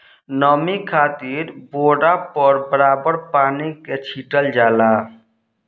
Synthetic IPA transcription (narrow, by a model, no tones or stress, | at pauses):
nəmikʰaːt̪iːɾboːɽapəɾbəɾaːbəɾpaːniket͡ʃʰiːʈəld͡ʒaːla